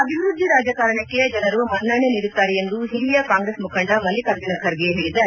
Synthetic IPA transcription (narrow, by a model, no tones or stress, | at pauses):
ɐbʱiʋɾud̪ʱːiɾaːd͡ʒɐkaːɾɐɳɐkːed͡ʒɐnɐɾumɐnːɐɳeniːɾut̪ːaːɾeend̪uɦiɾijɐkaːŋɡɾeːsmukʰɐɳɖɐmɐlːikaːɾt̪inɐkʰɐɾɡeɦeːɭid̪aːe